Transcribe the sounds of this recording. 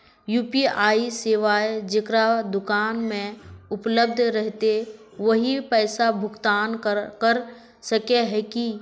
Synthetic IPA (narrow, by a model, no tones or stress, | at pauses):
juːpiaːiseːʋaːed͡ʒekɾad̪ʊkaːnmẽʊpləb̚d̪ʱɾəɦt̪e | ʋəɦipɛːsabʱʊɡt̪aːnkəɾ | səkeɦɛki